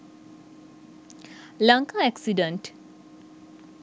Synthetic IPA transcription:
lɐŋkaɛksiɖəɳʈ

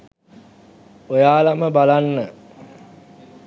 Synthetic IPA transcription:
ojaːlaməbalanːə

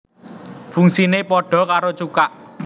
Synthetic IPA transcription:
fuŋsinepɔɖ̥ɔ̤kaɾot͡ʃukaʔ

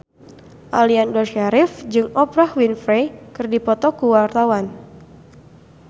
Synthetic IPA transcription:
ʔaliandɔʃaɾɪfd͡ʒɨŋɔpɾahwinfɾejkɨrdipɔt̪ɔkuwart̪awan

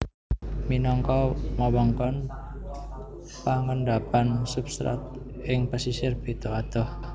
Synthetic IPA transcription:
minɔŋkɔmɔwaŋkɔn | paŋənɖapansupst̪ɾa̰t̪̚ | ʔɪŋpəsisɪrb̥i̤t̪ɔad̪̥ɔh

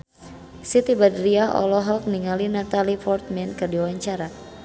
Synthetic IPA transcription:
sit̪ibadɾiaʔɔ̰lɔɦɔk̚niŋalinat̪alifɔrt̪̚mɛnkɨrdiwaɲt͡ʃaɾa

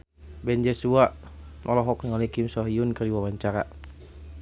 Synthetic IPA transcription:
bɛnd͡ʒɛsuaʔ | mɔlɔɦɔk̚nŋalikimsɔɦiʊnkədiwabaɲt͡ʃaɾa̰

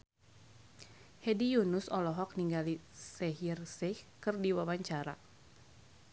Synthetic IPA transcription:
hɛdijunʊsɔlɔɦɔk̚niŋɡalisɛɦirsɛhkɨrdiwawaɲt͡ʃaɾa̰

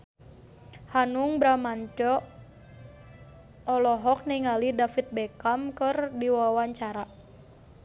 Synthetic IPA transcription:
hanʊŋbɾamaɲd͡ʒɔ | ɔlɔɦɔk̚niŋalidafit̪̚bɛkamkərdiwawaɲt͡ʃaɾa

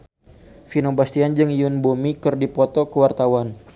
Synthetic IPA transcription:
finobast̪iand͡ʒɨŋiʊnbomikɨrdipɔt̪ɔkəwart̪awan

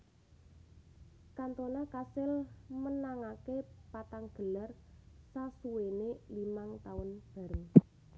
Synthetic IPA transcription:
kant̪onakasɪlmənaŋakepat̪aŋɡ̥ə̤lar | sasuwenelimaŋt̪aʊnb̥a̤ɾəŋ

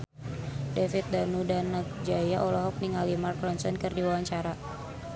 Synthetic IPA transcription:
defit̪̚danudanak̚d͡ʒajaʔɔlɔɦɔk̚niŋalimarkɾɔnsɔnkɨrdiwawaɲt͡ʃaɾa

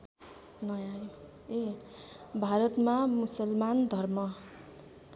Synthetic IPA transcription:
nʌjaj | e | bʱaɾʌt̪mamusʌlmand̪ʱʌrmʌ

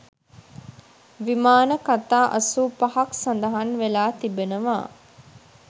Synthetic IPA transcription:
ʋimaːnəkat̪aːʔɐsuːpahaksand̪əɦanʋelaːt̪ibenəʋa̰ː

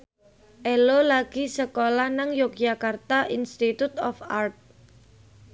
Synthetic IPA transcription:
ʔelolaɡ̥isəkolahnaŋjok̚d͡ʒakart̪aʔinst̪it̪ut̪ɔfart̪̚

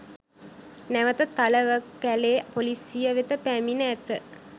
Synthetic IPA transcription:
næʋət̪ət̪aləʋəkːæleːpolisijəʋet̪əpæminəæt̪ə

